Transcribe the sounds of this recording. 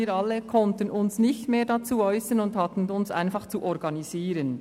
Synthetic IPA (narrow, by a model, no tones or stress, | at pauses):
iːɾɑlːəkʰɔntənʊnsnɪçtmeːɐdɑt͡suːɔʏsənʊndhɑtən̩ʊnsa̰ɪnfɑχt͡suʔɔɾɡɑniziːɾən